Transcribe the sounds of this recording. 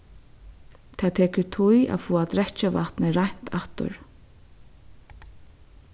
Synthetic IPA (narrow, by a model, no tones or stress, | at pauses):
t̪ʰaːt̪ʰɛːkɪɹt̪ʰuja̰fɔːad̪ɾɛt͡ʃavaht̪nɪɾajn̥t̪ʰaht̪ʊ̰ɹ